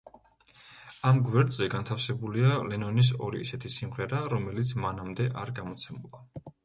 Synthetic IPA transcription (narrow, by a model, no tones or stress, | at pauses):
amɡwɛɾd̪zɛɡant̪ʰafsɛbulialɛnɔnis̬ɔɾḭːsɛt̪ʰisimʁɛɾaɾɔmɛlit̪sʰmanamd̪ɛʔaɾɡamɔt̪sʰɛmulˠa